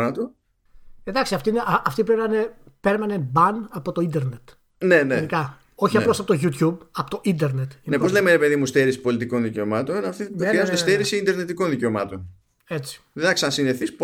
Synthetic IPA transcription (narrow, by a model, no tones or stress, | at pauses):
nɐt̪u | end̪ɐksiɐft̪iineʔɐʔɐft̪ipɾevmɐne | pe̞ɾmɐnebɐnɐpo̞t̪o̞ind̪eɾne̞t̪ | nenenikɐ | o̞çiɐplo̞sɐpot̪oʝut̪jubɐpot̪oʔind̪e̞ɾne̞t̪neppozle̞meɾepe̞ðimust̪eɾisi̥po̞lit̪̬iko̞nðice̞o̞mɐt̪o̞nnɐft̪ixɾiɐzund̪est̪eɾisiind̪eɾne̞t̪ikonðice̞omɐt̪o̞n | e̞t͡si̥ðenɐkssineθisp